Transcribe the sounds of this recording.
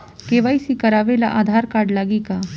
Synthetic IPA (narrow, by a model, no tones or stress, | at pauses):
keːʋaːisikɐɾaːʋelaʔaːd̪ʱaːɾkaːɾɖlaːɡika